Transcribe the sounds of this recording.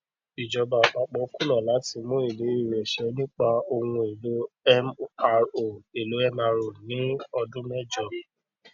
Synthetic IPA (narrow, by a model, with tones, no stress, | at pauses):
i˨d͡ʒɔ˧ba˨k͡pa˧˦k͡pɔ˨˦kũ˦lɔ̃˦˨la˨˦ti˧mõ˦i˦˨le˨˦i˦˨ɾɛ˨ʃɛ˨˦nĩ˦k͡pa˧o˧ŋũ˧e˨lo˨˦ɛ˦ma˧o˨e˨lo˨˦ɛ˦ma˧ɾo˨nĩ˨˦ɔ˧dũ˦mɛ˦d͡ʒɔ˧˨